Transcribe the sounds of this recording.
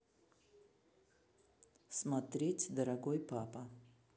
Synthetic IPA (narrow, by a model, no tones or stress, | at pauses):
smat̪ɾʲetʲd̪ɐɾɐɡojpapɐ